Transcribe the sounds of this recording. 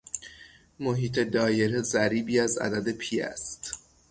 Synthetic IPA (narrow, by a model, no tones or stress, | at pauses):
moɦiːt̪ʰe̞d̪ɒːje̞ɾezæɾiːbiːæzæ̰d̪æd̪e̞pʰiːæ̰st̪